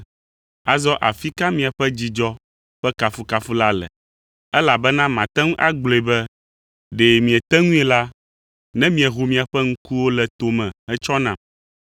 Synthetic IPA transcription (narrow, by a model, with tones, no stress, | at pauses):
a˨zɔ˦ʔa˨fi˦ka˦mĩ˨a˨ɸɛ˦d͡ʑi˨d͡ʒɔ˦ | ɸɛ˦ka˨fu˨ka˨fu˦la˦lɛ̰˨ | ɛ˦la˨bɛ˦nã˦mã˨t̪ɛ˦ŋũ˦ʔa˦ɡ͡blo˨e˨bɛ˦ | ɖe˨mĩ˨ɛ˨t̪ɛ˦ŋũ˦ɛ˨la˦ | nɛ̃˦mĩ˨ɛ˨ɦu˨mĩ˨a˨ɸɛ˦ŋ̩˦ku˦wo˦lɛ˨t̪o˨mɛ̃˨ɛ˦t͡ʃɔ˦nã˨